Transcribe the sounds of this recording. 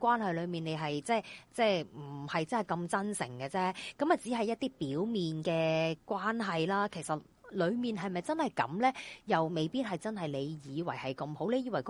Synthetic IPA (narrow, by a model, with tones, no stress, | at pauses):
kwaː˥nɦɐ˨jlɵ˨˧ɥmiː˨ne˨˧jɦɐ˨jt͡sɛː˥t͡sɛː˥˩m̩˨˩hɐ˨jt͡sɐ˥nhɐ˨˩jkɐ˧mt͡sɐ˥nsɪ̰˨˩ŋkɛː˧t͡sɛː˥kɐ˨˥mɐ˨˩t͡siː˨˥ɦɐ˨jɐ˥t̚t̪iː˥piː˨˥wmiː˨nkɛː˧kwaː˥nɦɐ˨jlaː˥kʰe˨˩jsɐ˨t̚ | lɵ˨˧ɥmiː˨nɦɐ˨jmɐ˨jt͡sɐ˥nhɐ˨jkɐ̰˨˥mlɛː˥jɐ˨wme˨˧jpiː˥t̚hɐ˨˩jt͡sɐ˥nɦɐ˨˩jle˨˧jjiː˨˧wɐ̰˨˩jhɐ˨jkɐ˧mho˨˥wle˨˧jiː˨˧wɐ˨˩jk